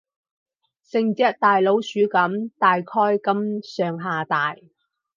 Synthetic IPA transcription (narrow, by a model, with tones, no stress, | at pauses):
sɪ˨˧ŋt͡sɐ˥t̚t̪aː˨jlo˨˥wsyː˨˥kɐ˨˥mt̪aː˨jkʰɔː˥jkɐ˥msœː˨˩ŋɦaː˨˩t̪aː˨j